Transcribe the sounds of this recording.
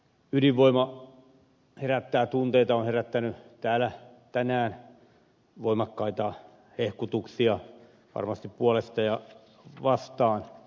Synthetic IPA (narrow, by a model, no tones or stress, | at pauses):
ydiʋʋoimɑ | heræt̪ːæːt̪unt̪eit̪ɑonheræt̪ːænyt̪æːlæ | t̪ænæːn | ʋoimɑkːɑit̪ɑ | hehkut̪uksiɑ | ʋɑ̰rmɑst̪ippuɑlest̪ɑjɑ | ʋɑst̪ɑːn